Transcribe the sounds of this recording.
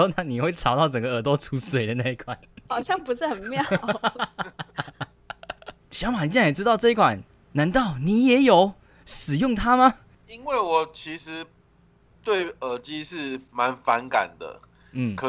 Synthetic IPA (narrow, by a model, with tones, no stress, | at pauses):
o˥˧na˥ni˨˩xwe˥˩ɪʈ͡ʂʰɑ˨˧˥ʊt̪ɑ˥˩ʊʈ͡ʂə˨˩ŋɡə˧ə˨˩t̪wɔ˥t͡sʰu˧˥swe˨˩ɪd̪ə˦na˥˧i˥kʰwa˨˩˦nxɑ˨˩ʊɕjɑ˥˩ŋpu˧˦ʂɻ̩˥˩xə˨˩nmjɑ˥˨ | ɕjɑ˧˥ŋma˨˩ni˨˩t͡ɕɛ˥˩jɛ˨˩ʈ͡ʂɻ̩˥t̪ɑ˥˧ʊʈ͡ʂɤ˥˧i˥kʰwa˨˩˦n | na˧˥nt̪ɑ˥˩ʊni˨˩jɛ˨˥˦jo˨˩˦ʊ | ʂɻ̩˨˩jʊ˥˨˩ŋt̪ʰa˥ma˧ | i˦˥nwe˥˩ɪwɔ˨˩t͡ɕʰi˧˥ʂɻ̩˧˦ | t̪we˥˩ɪə˨˩t͡ɕi˦ʂɻ̩˥˩ma˨˦nfa˧˦nka̰˨˩nd̪ə̰˦ | n̩˥˩kʰə˨